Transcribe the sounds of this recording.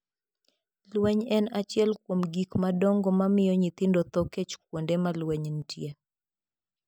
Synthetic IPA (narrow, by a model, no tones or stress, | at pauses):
lwɛɲɛnat͡ʃjɛlkwomɡikmadɔŋɡɔmamɪjɔɲit̪ɪndɔt̪ɔket͡ʃkwondemalwɛɲntje